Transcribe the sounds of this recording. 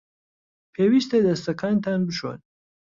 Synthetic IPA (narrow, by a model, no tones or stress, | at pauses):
pʰeːwiːst̪ed̪ɐst̪ɐkʰaːnt̪ʰaːnbɨʃo̰n